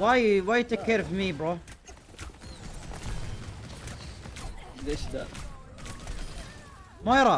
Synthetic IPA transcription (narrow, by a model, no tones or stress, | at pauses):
wajwajt̪ekːeɾfimibɾo | d̪eʃd̪a̰ | mojɾˤɑ